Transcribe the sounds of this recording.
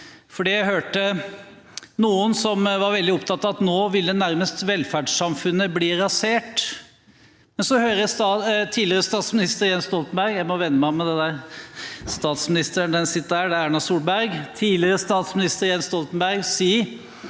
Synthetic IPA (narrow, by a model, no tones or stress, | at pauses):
fɔɖijæɪɦøːʈə | nuːənsɔmʋɑɾʋɛld̪ɪɔpt̪ʰɑt̪ːɑɑt̪noːʋɪlːənæɾməst̪ʋɛlfæːɖʂsɑmfʉnːəbliːɾɑseːʈ | mɛnsɔhøːɾəsɑt̪ʰiːlɪəɾəst̪ɑːt̪smɪnɪst̪əɾjɛnst̪ɔlt̪n̩bæɾɡjæɪmɔʋɛnːəmæɪɔmɛd̪ɛnd̪æɾ | st̪ɑːt̪smɪnɪst̪əɾɳd̪ɛnsɪt̪ːəɾhæːɖɛæɳɑsuːlbæɾɡt̪ʰiːlɪɾəst̪ɑːt̪smɪnɪst̪əɾjɛnst̪ɔlt̪nbæɾɡsiː